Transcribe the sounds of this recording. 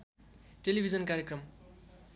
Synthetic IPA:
ʈelibʱid͡zʌnkaɾjekrʌm

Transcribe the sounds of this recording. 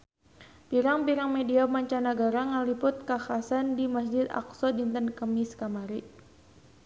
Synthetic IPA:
piɾaŋpiɾaŋmediamaɲt͡ʃanaɡaɾaŋalipʊt̪̚kaxasandimasd͡ʒɪd̪a̰ksɔdint̪ənkəmɪskamaɾi

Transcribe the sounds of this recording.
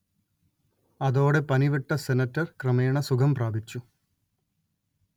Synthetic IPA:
ɐðo̞ːɽe̞pɐniʋɐʈːɐsenɐtːɐrkrɐmeːɳɐsukʰɐmpraːbit͡ɕːu

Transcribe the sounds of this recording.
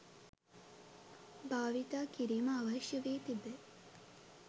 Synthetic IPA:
baːʋit̪aːkiɾiːməaʋɐʃjəʋeːt̪ibe

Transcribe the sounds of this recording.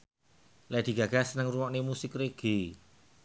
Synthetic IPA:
lɛd̪̥i̤ɡ̥a̤ɡ̥a̤sənəŋrumɔʔnemusɪkreɡ̥i

